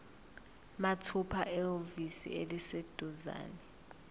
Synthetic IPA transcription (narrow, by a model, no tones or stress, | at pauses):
matʰupʰaʔɛovisḭelised̥ʱuza̰ːnɛ